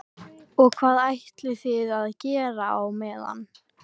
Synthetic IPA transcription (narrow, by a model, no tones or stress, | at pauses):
ɔɣkʰvaːðajht̪lɪθɪðaðcɛːɾaawmɛːða̰nː